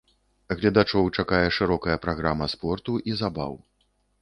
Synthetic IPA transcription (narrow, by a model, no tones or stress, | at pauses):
ɣlʲɐd̪at͡ʂɔwt͡ʂakajɛʂɨɾɔkɐjɐpɾaɣɾamɐspɔrt̪uʔizaba̰w